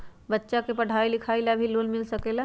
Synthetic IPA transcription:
bətːʃakepɐɽ̤ʱaːilɪkʰaːilabʱiloːnmɪlsɐkela

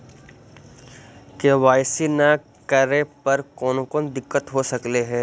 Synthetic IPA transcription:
keʋaːjsina | kɐɾepɐɾkɔːnokɔːnd̪ɪkːət̪ɦosɐkleɦɛ̃ː

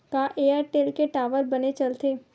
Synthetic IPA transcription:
kaʔeːaːɾʈeːlkeʈaːʋəɾbɐnet͡ʃɐlt̪eː

